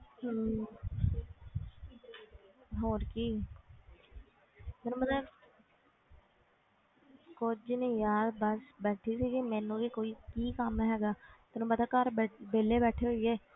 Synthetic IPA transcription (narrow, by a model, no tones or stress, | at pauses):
ɦoːɾkiː | mɛːnũmət̪ləb | kʊd͡ʒnẽĩːjaːd̪bəsbɛːʈʰiːsiːɡimɛ̃ːnũːʋiːkoːiːkiːkəmɦɛːɡaːmɛːnũːpət̪aːkəɾbbeːleːbɛːʈʰeːɦoiːɛː